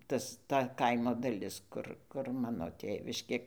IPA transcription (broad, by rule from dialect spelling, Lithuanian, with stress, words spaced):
ˈtɐs ˈtɐ ˈkɐɪmoː dɐˈlʲɪs ˈkʊr kʊr ˈmɑːnoː ˈtʲeːʋʲɪʃʲkʲeː